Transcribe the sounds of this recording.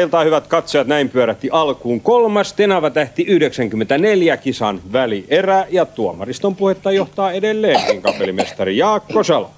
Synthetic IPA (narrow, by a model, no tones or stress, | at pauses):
ilt̪ɑːhyʋæt̪kɑt̪sojɑt̪næimpyøɾæt̪ːiʔɑlkuːŋkolmɑst̪enɑʋɑt̪æht̪iyhdeksæŋkymːent̪æneljækisɑnʋæliʔeræjɑt̪uomɑ̰rist̪ompuhet̪ːɑjoht̪ɑːedelːeːŋkiŋkɑpelimest̪ɑrijɑːkːosel̰